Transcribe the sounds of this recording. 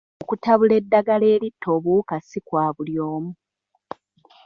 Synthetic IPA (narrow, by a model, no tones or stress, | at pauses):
okutaβule̞dːaɡale̞ːlitʰːo̞ːβukasikwaːβuljoːmu